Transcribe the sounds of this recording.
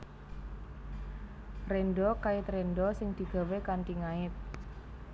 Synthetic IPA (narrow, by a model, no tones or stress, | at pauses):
renɖɔkaɪt̪renɖɔsɪŋd̪̥i̤ɡ̥a̤wekant̪iŋaɪt̪̚